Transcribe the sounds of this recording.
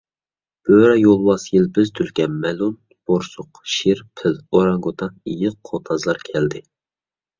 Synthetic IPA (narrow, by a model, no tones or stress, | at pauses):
b̥øɾɛjolˠwɑsjilbɪzt̪ʰylkʲɛnmɛlun | b̥oɾsʊqʃiɾpʰɪloɾɑŋɡot̪ʰɑijɪqqʰːot̪ʰɑzlˠɑɾkʲʰɛld̪ɪ